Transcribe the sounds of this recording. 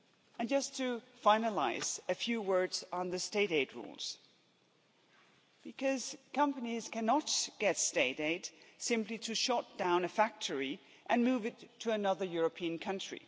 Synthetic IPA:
ɨ̃nd͡ʒʌstʰɨfãɪ̃nəla̰ɪz̥ɨfjʉwɜ˞dzn̩ðɨsteɪɾeɪd̚ɹṵlˠz̥ | b̥ɨkʰʌz̥kʰʌ̃mpɨniz̥kʰænɑt̚ɡ̥ɛtsteɪɾeɪtsɪ̃mpliɾɨʃɑt̚d̥ãʊ̃nɨfæk̚tʰə˞i | ʔɨ̃nmuvɨtʰɨːnʌðə˞jʊɹɨpʰĩɨ̃nkʰʌ̃nt͡ʃɹ̥ḭ

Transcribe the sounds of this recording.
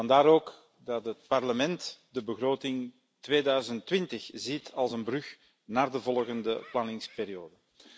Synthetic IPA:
ɑndaːɾoːk | dɑtɦət̚pɑrləmɛntdəbəɣroːtɪŋ | tʋeːdœɥzəntʋɪntəxzitɑlˠzənbrʏx | naːrdəvɔlˠɣəndəplanɪŋspeːɾijoːdə

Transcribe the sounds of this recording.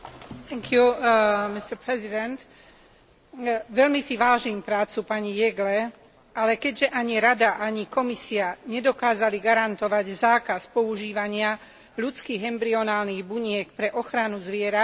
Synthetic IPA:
t̪ɛŋkʰjumist̪ɛɾpɾɛzid̪ɛnt̪ | ʋɛʎmisiʋaːʒiːmpɾaːt͡supaɲijɛɡlɛ | alɛkɛɟʒɛʔaɲiɾad̪aʔaɲikɔmisiaɲɛd̪ɔkaːzaliɡaɾant̪ɔʋaɟzaːkaspɔuʒiːʋaɲɪa | ʎut͡skiːɣɦɛmbɾiɔnaːlniɣbuɲɪɛkpɾɛʔɔxɾanuzʋɪɛɾa

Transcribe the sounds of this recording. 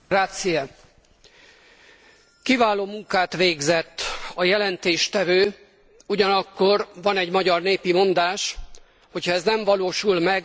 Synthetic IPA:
ɾaːt̪sijɒ | kivaːloːmuŋkaːt̪ʋeːɡzɛt̪ːɒjɛlɛnt̪eːʃt̪ɛvøː | uɟɒnɒkːo̞rvɒnɛɟmɒɟɒrneːpimo̞nd̪aːʃ | ho̞cʰhɒɛznɛɱvɒloːʃulmɛɡ

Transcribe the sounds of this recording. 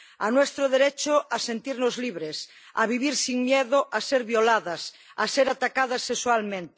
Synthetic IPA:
anwest̪ɾoðeɾet͡ʃoasent̪iɾnozliβɾes | a̰βiβiɾsiŋmjeðoʔaseɾβjolaðas | a̰seɾat̪akað̞asːekswalmẽnt̪e

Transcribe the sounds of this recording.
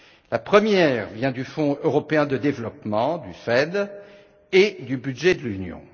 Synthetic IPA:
lapχəmjɛʁvjɛ̃d̪yfɔ̃øʁɔpeɛ̃d̪əd̪evlɔpmɑ̃d̪yfɛd̪ | ed̪ybyd̪ʒɛd̪əlynjɔ̰̃

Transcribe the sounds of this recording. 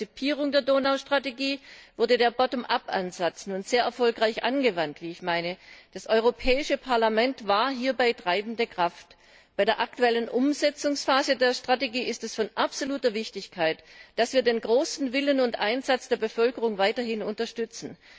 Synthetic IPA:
t͡sipʰiːʁʊŋdeːɐdoːnaʊʃtʁ̥ateɡiːv̥ʏɐdədeːɐbɔtomʔapa̰nzat͡sn̩ʊntz̥eːɐʔɛɐfɔlkʁaɪçʔa̰nɡəvantv̥iːɪçmaɪnəd̥asʔɔʏʁ̞opʰɛːɪʃəpʰaɐlamɛntv̥aːɐɦiːɐbaɪtʁ̥aɪbn̩dəkʁ̥aft | b̥aɪdeːɐʔak̚tuɛlənʔʊmzɛt͡sʊŋsfaːzədeːɐʃtʁ̥ateɡiːɪstɛsfɔnʔapz̥oluːtɐvɪçtɪçkʰaɪtd̥asv̥iːɐdeːnɡʁoːsn̩vɪlənʊntʔaɪnzat͡sd̥eːɐbəfœlkəʁʊŋvaɪtɐhɪnʊntɐʃtʏt͡sn̩

